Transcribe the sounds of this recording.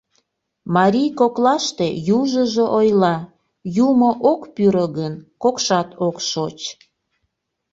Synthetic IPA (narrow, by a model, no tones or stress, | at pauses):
mɑɾʲijkoklɑʃt̪ejuʒəʒoʔojlɑ | jumoʔokpyɾəɣənkokʃɑt̪ʰokʃot͡ɕ